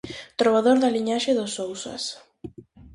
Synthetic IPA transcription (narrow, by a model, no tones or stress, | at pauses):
t̪ɾoβaðoɾðaliɲaʃeðosowsa̰s